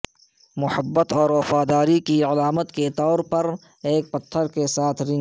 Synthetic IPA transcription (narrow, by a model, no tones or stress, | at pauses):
mʊhəbːət̪ɔːɾwɐfaːd̪aːɾikiɐlaːmət̪ket̪ɔːɾpɐɾ | eːk̚pɐt̪ʰːəɾkesaːt̪ʰɾɪ̃ŋ